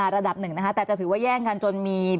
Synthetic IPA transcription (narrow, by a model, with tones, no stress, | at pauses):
a˨˩ɾa˧da˨˩p̚nɯ˨˩ŋna˦˥kʰa˦˥t̪ɛː˨˩t͡ɕa˨˩t̪ʰɯː˩˦waː˥˩jɛː˥˩ŋka˧nt͡ɕo˧nmiː˧